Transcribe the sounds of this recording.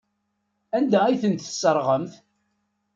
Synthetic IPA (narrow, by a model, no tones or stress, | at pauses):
ænd̪æiθənt̪sːəɾˤʁəmθ